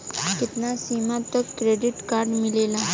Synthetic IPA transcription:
kit̪nasimat̪əkːɾeɖiʈkaɾɖmilela

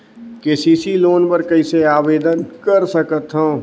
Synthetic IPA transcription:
keːsiːsiloːnpəɾkɐiseaːʋeːd̪ənkəɾsəkət̪ɦõː

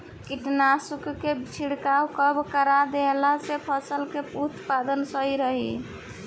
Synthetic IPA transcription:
kiʈnasukket͡ʃʰiɽkawkəbkəɾad̪elasepʰəsəlkeput̪pad̪ənsəɦiɾəɦi

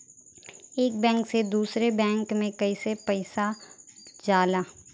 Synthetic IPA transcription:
eːk̚bɛ̃ːŋksed̪uːsɾebɛ̃ːŋkmẽkɐisepɐɪsa | d͡ʒaːlaː

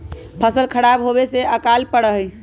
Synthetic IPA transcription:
pʰəsəlkʰəɽabɦobeseəkalpəɽəɦəj

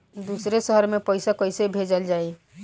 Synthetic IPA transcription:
d̪uːsɾeʃəɦəɾmẽpəɪsakoɪsebʱeːd͡ʒəld͡ʒaːi

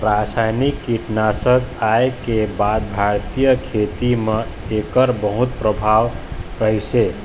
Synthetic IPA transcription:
ɾasajnikːiʈnasəɡaekebad̪̚bʱaɾt̪ijəkʰet̪imeekəɾbəɦut̪̚pɾəbʱawkəjse

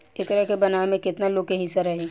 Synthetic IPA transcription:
ɪt̪əɾəkebɐnaemẽkɪt̪naloːɡ̚keɦĩsɐɾɐɦẽː

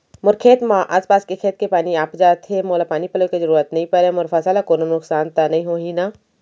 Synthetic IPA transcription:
mʊɾkʰeːt̪mãʔa̰ːspaːskekʰeːt̪̚kepaːniaːpd͡ʒaːt̪ɦemoːlapaːnipɐlokezɐɾuːɾət̪nɐɦĩpɐɾemʊɾfʰasalakoːnonʊksaːnt̪anɐɦĩɦoːɦinaː

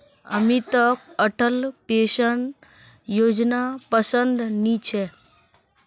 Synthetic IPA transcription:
ə̰mit̪ək̚əʈʰəlpeːʃəɳ | joːd͡ʒnapəsənd̪nit͡ʃʰe

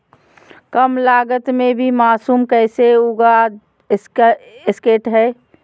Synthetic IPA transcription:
kəmlaːɡət̪mẽbʱimaːsuːmkɛːseuɡa | ɪskeːʈɦɛː

